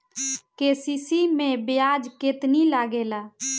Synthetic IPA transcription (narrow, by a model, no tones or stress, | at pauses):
keːsiːsimẽbɪjaːd͡ʒket̪nilaːɡeːlaː